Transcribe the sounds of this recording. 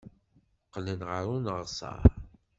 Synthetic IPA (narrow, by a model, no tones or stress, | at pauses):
qːlənʁəɾˤunəʁsˤɑ̰ɾ